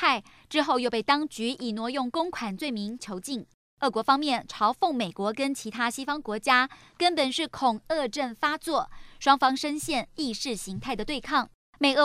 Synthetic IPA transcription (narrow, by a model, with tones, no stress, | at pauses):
a˥˩ɪ | ʈ͡ʂɻ̩˥xo˥˧ʊjo˥˧ʊp̬e˥˩ɪt̪ɑ˥ŋt͡ɕy˧˥i˨˩nwɔ˧˥jʊ˥˩ŋkʊ˥ŋkʰwa˨˩nt͡swe˥˩ɪmi˧˥ŋt͡ɕʰjo˧˥ʊt͡ɕi˥˩ŋ | ɤ˥˩kwɔ˧˥fɑ˥ŋmjɛ˥˩nʈ͡ʂʰɑ˧˥ʊfʊ˥˩ŋme˨˩ɪkwɔ˧˥kə˥nt͡ɕʰi˧˥t̪ʰa˥ɕi˥fɑ˥ŋkwɔ˧˥t͡ɕja˥ | kə˥npə˨˩nʂɻ̩˥˩kʰʊ˨˩ŋɤ˥˧ʈ͡ʂə˥˩nfa˥t͡swɔ˥˩ʂwɑ˥ŋfɑ˥ŋʂə˥ŋɕjɛ˥˧nli˥˧ʂɻ̩˥˩ɕi˧˥ŋt̪ʰa˥˩ɪd̪ə˩t̪we˥˧ɪkʰɑ˥˩ŋ | me˨˩ɪə˥˩